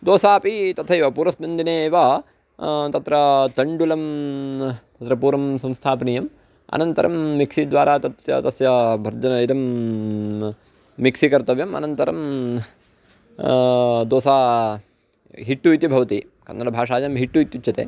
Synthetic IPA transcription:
d̪oːsaːpit̪ɐt̪ʰɐiʋɐpuːɾɐsmɐnd̪ʱineːʋɐ | t̪ɐt̪ɾɐt̪ɐɳɖulɐm | t̪ɐt̪ɾɐpuːɾɐmsɐ̃mst̪ʰaːpɐniːjɐm | ɐ̰nɐnt̪ɐɾʔɐ̰mːiksid̪ʋaːɾaːt̪ɐt̪jɐ̰t̪ɐsjɐbʱɐɾd͡ʒɐnɐid̪ɐm | iksikɐɾt̪ɐʋjɐmɐ̰nɐnt̪ɐɾɐm | d̪oːsaː | ɦiʈːuit̪ibʱɐʋɐt̪i | kɐ̰nːɐɾɐbʱaːʂaːd͡ʒɐmɦiʈːuit̪jut͡ʃːjɐt̪ḛː

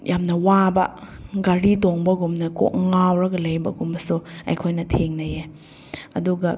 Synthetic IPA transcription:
jʔamnɐwabɐ̰ɡɐɾitoŋbɐɡumnɐko̰ʔ̚ŋawɾɐɡɐlɐjbɐɡumɐsuɐ̰jkʰojnɐtʰeŋnɐje | ɐ̰duɡɐ

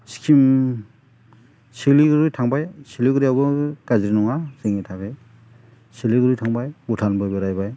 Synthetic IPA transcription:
si̥kʰim | siliɡɾɯjtʰaŋbajsiliɡɯɾiabɯɡ̥azɾinɔŋazeŋitʰaɡej | siliɡɯɾɯjtʰaŋbajutʰanbɯjbɯɾajbaj

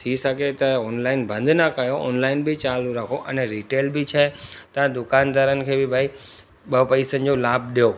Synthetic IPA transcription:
t̪ʰiʃəket̪ãɔnlainbə̃nd̪ʱnakəjoɔnlainbʱit͡ʃalũɾakʰoʔəneɾiʈelbʱit͡ʃʰet̪ãd̪ʊkand̪ʱaɾənkʰeʋibʱai | bəpəisə̃ɲd͡ʒolab̚ɗjo

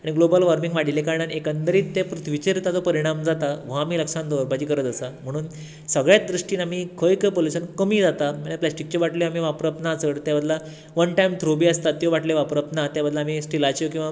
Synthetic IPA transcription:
aɽ̃iɡlobəlʋaɾmiŋɡʋaɽilekaɾɳanekant̪əɾiːt̪ːepɾut̪ʰʋit͡ɕeɾt̪at͡sɔpəɾiɽ̃amd͡zat̪aʋaːmiːləkʂãnd̪əʋəɾbad͡ʑiːkəɾət̪əsam̤əɽ̃uːn | səɡɭjatd̪ɾuʂʈiːnam̤iːkʰəjkəpoluɕənkəmiːd͡zat̪amaaplæsʈik̚t͡ɕoʋaʈleam̤iʋapɾəp̚t̪naːt͡səɭt̪jabəd̪la | ʋənʈajmt̪ʰɾobiːəst̪at̪joʋaʈleʋapɾəp̚t̪nat̪jabəd̪ʱlaːm̤isʈilat͡ɕjokĩw̃ʋa

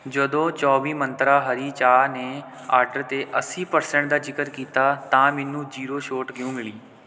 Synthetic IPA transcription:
d͡ʒəd̪õːt͡ʃɔːʋiːmənt̪ɾaːɦəɾiːt͡ʃaːneː | aːɾɖəɾt̪eːʔəsiːpəɾsɛ̃ːɳʈ̚d̪aːd͡ʒɪkəɾkiːt̪aːt̪ãːmɛnːũːd͡ʒiːɾoːʃoːʈɡɪõːmɪliː

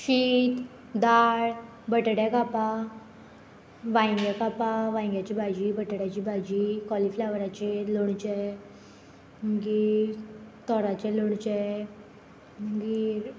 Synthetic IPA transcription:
ɕiːt̪ | d̪aɭ | bəʈɽjakapa | ʋãj̃ŋɡjakapaʋãj̃ŋɡjat͡ɕibʱad͡ʑiːbəʈɽjat͡ɕiːbʱad͡ʑikɔliflaʋɾat͡ɕeloɽt͡ɕɛ | ɡi | t̪ɔɾat͡ɕeloɽt͡ɕɛ | ɡi

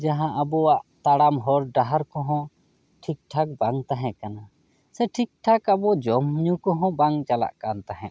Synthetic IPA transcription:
d͡ʒaɦãʔabɔwaʔt̪aɽamɦɔɾɖaɦaɾkɔ̃ɦɔ̃ | ʈʰik̚ʈʰak̚baŋt̪aɦɛ̃ʔkana | sɛʈʰik̚ʈʰakabɔd͡ʒɔmɲukɔɦɔ̃baŋt͡ʃala̰ʔkant̪aɦɛ̰̃ʔ

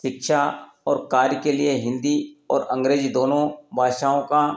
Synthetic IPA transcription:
ʃɪkʃa | ɔːɾkaːɾjəkelieɦɪ̃nd̪iɔːɾə̃ŋɡɾeːd͡ʒid̪oːnõbʱaːʃaːõkã

